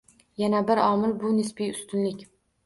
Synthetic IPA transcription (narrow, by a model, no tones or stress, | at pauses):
janabɪɾɒmɪlbʊnɪspijʊst̪ʊnlɪkʲ